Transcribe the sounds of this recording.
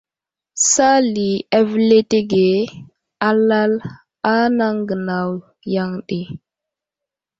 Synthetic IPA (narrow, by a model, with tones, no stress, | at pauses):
sa˦li˨a˦vle˦te˦ɡe˨ | a˦la˦l | a˦na˦ŋɡə˨na˨w | ja˦ŋɗe˨